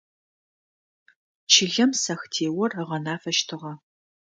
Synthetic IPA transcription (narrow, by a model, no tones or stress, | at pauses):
t͡ʃʰɪɮɐmsɐxtʰeːwɔrəʁɐnaːfɐʃtʰɨʁɐ